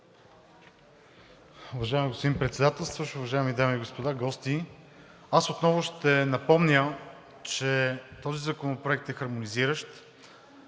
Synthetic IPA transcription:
ʊvɐʒaɛmiɡospod̪impɾɛt̪sɛd̪at̪ɛlˠst̪vəʃʊvɐʒaɛmid̪amiːɡospod̪aɡɔst̪i | asot̪nɔvʊʃt̪ɛnɐpɔmnʲə | t͡ʃɛt̪ɔzizɐkonopɾoɛk̚t̪ɛxɐɾmoniziɾəʃt̪

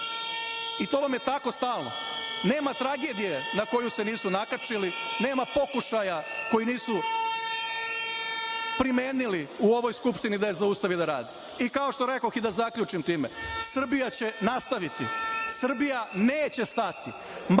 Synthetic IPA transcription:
it̪o̞ʋamje̞t̪ako̞st̪aːlˠno̞̰ne̞ːmat̪ɾaɡe̞ːd̪ije̞nako̞juse̞niːsunakat͡ʃiline̞ːmapo̞kuʃajako̞jiniːsu | pɾimeːniliuo̞ʋo̞jskupʃt̪inid̪ajezaust̪aʋid̪aɾaːd̪i | ikao̞ʃt̪o̞ɾe̞koxid̪azakʎut͡ʃimt̪iːmḛsr̩bijat͡ɕe̞nast̪aʋit̪ḭsr̩bijaneːt͡ɕe̞st̪at̪i | m

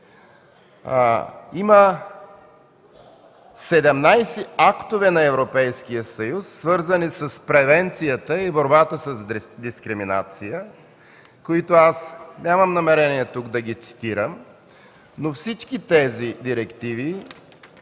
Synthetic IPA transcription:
imə | sɛd̪ɛmnajsɛakt̪ovɛnɐɛvɾopɛjskijəsɐjusːvɤɾzənisəspɾɛvɛnt̪sijət̪əiboɾbat̪əsəzd̪iskɾimina̰t̪sijə | koit̪oasnʲaməmnɐmɛɾɛniɛt̪uɡd̪ɐɡit̪si̥t̪iɾəm | nofsit͡ʃkit̪ɛzid̪iɾɛkt̪ivi

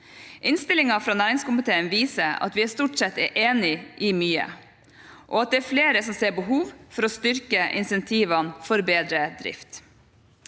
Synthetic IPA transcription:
ʔɪnst̪ɪlɪŋɑfɾɑːnæːɾɪŋskʊmɪt̪ʰeːənʋiːsəɑ̰t̪ʋɪæst̪uːʈsɛt̪ːɛʔeːnɪʔimyːə̰ | ʔo̰ːɑt̪̚d̪ɛæɾfleːɾəsɔmseːɾbəɦuːʋfɔɾɔst̪ʏɾkəʔɪ̰nsɛnt̪ʰiːʋɑnfɔɾbeːd̪ɾəd̪ɾɪ̰ft̪

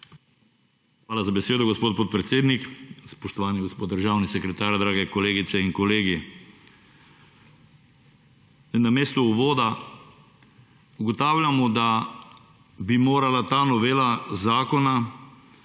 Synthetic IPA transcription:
xʋaːlazabɛseːd̪ɔɡospoːt̪̚pot̪̚pɾɛt̪seːd̪nikspɔʃt̪ɔʋaːniɡospot̪d̪əɾʒaːwnisɛkɾɛt̪aːɾd̪ɾaːɡɛkɔleːɡit̪sɛiŋkɔleːɡi | nːameːst̪ɔuʋoːd̪a | uɡɔt̪aːwlʲjamɔd̪a | bimoːɾalat̪aːnɔʋeːlazaːkɔna

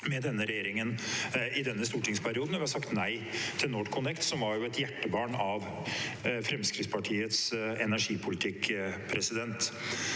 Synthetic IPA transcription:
mɛd̪ɛnːəɾɛjeːɾɪŋənɪd̪ɛnːəst̪uːʈɪŋspʰæɾɪuːd̪n̩ɔʋɪhɑsɑkt̪næɪ | t̪ʰɪlnoːʈkʰʊnɛkt̪sɔmʋɑɾjʊɛt̪jæʈːəbɑːɳɑʋ | fɾɛmskɾɪt̪spɑʈʰiːət̪sɛnæʂiːpʰʊlɪt̪ʰɪkpʰɾɛsɪd̪ɛnt̪

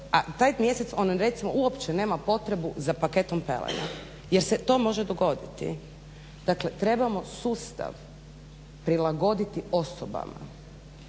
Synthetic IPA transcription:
at̪aːjmje̞set̪so̞nɾe̞t̪simouopt͡ʃene̞ːmapo̞t̪ɾe̞buzapake̞t̪o̞mpḛlḛna̰ | jeɾset̪o̞ːmo̞ʒed̪oɡo̞d̪it̪ḭ | d̪̥akle̞t̪ɾe̞bamo̞suːst̪a̰ʋ | pɾilˠaɡo̞d̪it̪io̞soba̰ma̰

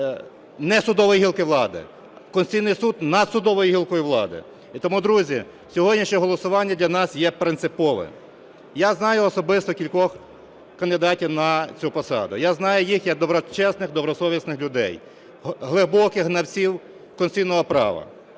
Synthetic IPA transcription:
nɛsʊd̪ɔʋɔjiɦilˠkɪʋlˠɑd̪ɪ̰ | kɔnsʲt͡sʲijnɪjsud̪nɐd̪sʊd̪ɔʋɔjiɦilˠkɔjiʋlˠɑ̰d̪ɪ̰ | it̪ɔmud̪ɾuzʲi | sʲɔɦɔdʲnʲiʃɲʲɛɦɔlˠɔsʊʋɑnʲːɐd̪lʲɐnɑsjɛpɾɪnt̪sɪpɔʋɛ̰ | jaznɑjʊɔsɔbɪst̪ɔkʲilʲkɔx | kɐnd̪ɪd̪ɑtʲiwnɐt͡sʲupɔsɑ̰d̪ʊ̰jaznɑjʊjixjɐɡ̚d̪ɔbɾɔt͡ʃɛsnɪxd̪ɔbɾɔsɔʋʲisnɪxlʲʊd̪ɛ̰j | ɦlˠɪbɔkɪxɦnɐwt͡sʲiw | kɔnsʲsʲijnɔɦɔpɾɑ̰ʋɐ̰

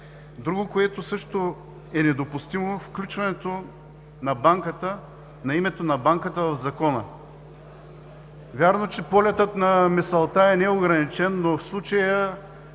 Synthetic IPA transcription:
d̪ɾuɡokoɛt̪osɤʃt̪o | ɛnɛd̪opust̪imofklʲut͡ʃvɐnɛt̪o | nɐbaŋkət̪ə | nɐimɛt̪onɐbaŋkət̪əvɐvzɐkɔnə̰ | vʲjaɾnot͡ʃɛpɔlʲɛt̪ət̪nɐmɛsɐlˠt̪aɛnɛoɡɾɐnit͡ʃɛnːofslˠut͡ʃəjə

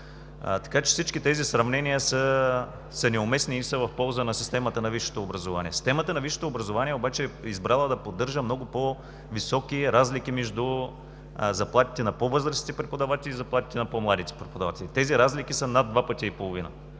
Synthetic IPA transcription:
t̪ɐ̥kat͡ʃɛ̥fsit͡ʃkit̪ɛzisɾɐvnɛnijəsə | sɐnɛʊmɛsniːsəvɐfpɔlˠzənɐsist̪ɛmɐt̪ənɐviʃo̥t̪oːbɾɐzʊvanʲḭɛsi̥st̪ɛmət̪ənɐviʃo̥t̪oːbɾɐzʊvaniɛobat͡ʃɛːizbɾalˠəd̪ɐpod̪ːɤɾʒəmnɔɡʊpo | visɔkiɾazlik̟imɛʒd̪u | zɐplˠat̪i̥t̪ɛnɐpovɤzɾəsi̥t̪ɛpɾɛpod̪ɐvat̪ɛlizɐplˠat̪i̥t̪ɛnɐpɔmlˠad̪it̪ɛ̥pɾɛpod̪ava̰t̪ɛlʲit̪ɛziɾazlikisənad̪vapət̪ʲiːpolˠovinə̰

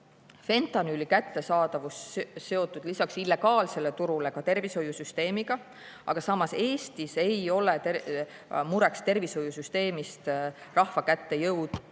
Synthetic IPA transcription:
fe̞nt̪ˑɑnylːikæt̪ːe̞sɑːd̪̥ɑvusse̞o̞t̪ːˑud̪̥lisɑksilːe̞ɡ̥ɑːlse̞le̞t̪uɾule̞kɑt̪e̞rviso̞jːusyst̪e̞ːmiɡ̥ɑ | ʔɑ̰ɡ̥ɑsɑmːɑse̞ːst̪ise̞jo̞le̞t̪e | muɾe̞kst̪e̞rvisho̞jusyst̪e̞ːmist̪rɑhvɑkæt̪ːe̞jɤwd̪̥

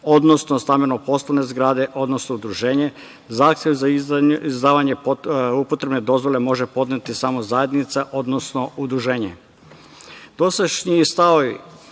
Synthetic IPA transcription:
o̞d̪nosnost̪amenopo̞slˠone̞zɡɾaːd̪e̞ʔo̞d̪no̞snoud̪ɾuʒe̞ːɲe | zaːxt̪jeʋzaizd̪aːʋaɲe̞pupot̪ɾe̞bne̞d̪o̞zʋo̞le̞mo̞ʒepo̞d̪net̪isamozaje̞d̪nit̪saʔo̞d̪nosno̞ud̪ɾuʒe̞ːɲḛ | d̪̥o̞seʃɲiist̪aoj

